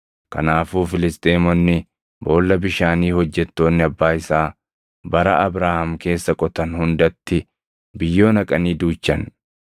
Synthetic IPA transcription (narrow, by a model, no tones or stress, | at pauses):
kɐnaːfuːfɪlɪst̪ʼeːmɔnːɪ | bo̞ːlːɐbɪʃaːniːhɔd͡ʒːɛt̪ːo̞ːnːɪɐbːaːɪsaː | bɐɾɐ̰ʔɐbɾaːhɐmke̞ːsːɐkʼɔt̪ɐnhʊnd̪ɐt̪ːɪ | bɪjːo̞ːnɐkʼɐniːd̪uːt͡ʃːɐn